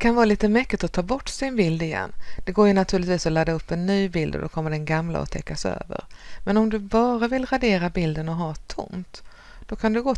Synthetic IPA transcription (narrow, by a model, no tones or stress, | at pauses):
d̪ɛkʰanvɑːliːt̪əmɛkːɪt̪ɔt̪ʰɑːbɔʈːsɪnbɪld̪ɪjɛ̰nːd̪̥ɛɡoːɾjɵnat̪ʰʉɾlɪt̪viːsɔlad̪ːaɵpːɛnːyːbɪld̪ɔ̰d̪ɔkʰɔmːəɖɛnɡamla̰ɔ̰t̪ʰɛkːasø̰ːvə̰ɾmɛnɔmd̪ɵbɑːɾavɪlɾad̪eːɾabɪld̪ənɔɦɑːt̪ʰʊ̰mt̪ | d̪̥ɔkʰand̪ɛɡoː